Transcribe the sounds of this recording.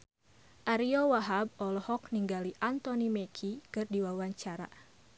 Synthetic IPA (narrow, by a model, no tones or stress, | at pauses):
ʔaɾiɔwaɦab̚ɔlɔhɔk̚niŋɡaliʔant̪ɔnimɛkʰikɨrdiwawaɲt͡ʃaɾa̰